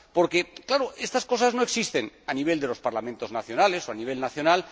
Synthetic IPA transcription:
po̞ɾke̞klaɾoest̪asko̞sazno̞eksist̪enaniβ̞e̞ld̪e̞lo̞spaɾlamẽnt̪o̞znaθjo̞nale̞soaniβ̞e̞lnaθjo̞nal

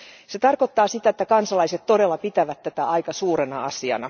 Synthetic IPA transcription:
set̪ɑrkot̪ːɑːsit̪æet̪ːækɑnsɑlɑiset̪t̪ːo̞delːɑpit̪æʋæt̪tæt̪æʔɑjkɑsuːɾenɑ̰ɑsiɑ̰nɑ

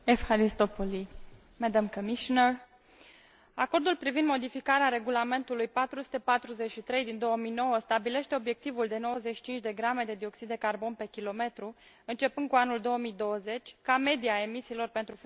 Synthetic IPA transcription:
efhaɾist̪opoli | mɛd̪əmkomiʃonər | ako̞rd̪ulpɾivind̪mo̞d̪ifikaɾeaɾe̞ɡulame̞nt̪ulujpat̪ɾusu̥t̪e̞pat̪ɾuze̞tʃit̪ɾe̞jd̪ind̪o̞wəmijno̞wəst̪abile̞ʃt̪e̞o̞bje̞k̚t̪ivuld̪e̞no̞wəzeʃi̥t͡ʃint͡ʃʲd̪e̞ɡɾame̞d̪e̞d̪io̞ksid̪d̪e̞karbo̞npe̞kʲilo̞me̞t̪ɾu | ɨnt͡ʃe̞pɨnd̪̚kuanuld̪o̞wəmijd̪o̞wəze̞t͡ʃʲkame̞d̪iae̞misiːlo̞rpe̞nt̪ɾuf

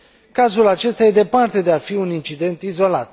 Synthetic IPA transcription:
kazulat͡ʃe̞st̪ajed̪e̞part̪e̞d̪e̞afiunint͡ʃid̪e̞nt̪izo̞lat̪

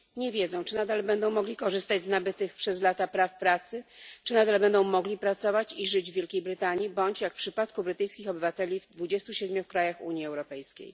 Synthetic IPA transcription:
ɲɛvʲjɛd̪zɛ̃w̃t͡ʂɘnad̪albɛnd̪ɔ̃w̃mɔɡlʲikɔʐɘst̪ad͡ʑznabɘt̪ɘxpʂɛzlat̪apɾafpɾat̪sɘt͡ʂɘnad̪albɛnd̪ɔ̃w̃mɔɡlʲipɾat̪sɔvat͡ɕiʐɘd͡ʑvʲjelkʲejbɾɘt̪aɲibɔɲt͡ɕjakfpʂɘpat̪kubɾɘt̪ɘjskʲixɔbɘvat̪ɛlʲivd̪vud͡ʑɛst̪uɕɛd̪mʲjukɾajaxṵɲjiɛwɾɔpɛjskʲḛj

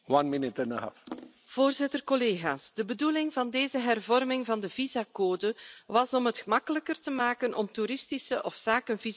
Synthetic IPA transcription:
wãnmɪnɪtɪ̃ndəɦa̰f | v̥oːrzɪtərkɔleːɣaːsd̥əbədulɪŋvɑndeːzəɦɛrvɔrmɪŋvɑndəvizakoːdəʋɑsɔmɦətxəmɑkələkərtəmaːkənʔɔmtuɾɪstisəʔɔfsaːkənviz

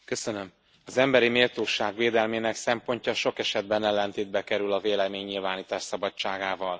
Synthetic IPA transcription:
kø̞sønøm | ɒzɛmbɛɾimeːlt̪oːʃaːɡʋeːd̪ɛlmeːnɛksɛmpo̞ɲcɒʃo̞kɛʃɛd̪̚bɛnɛlːɛnt̪eːd̪̚bɛkɛɾylɒveːlɛmeːɲːilvaːniːt̪aːʃsɒbɒt͡ʃːaːɡaːvɒl

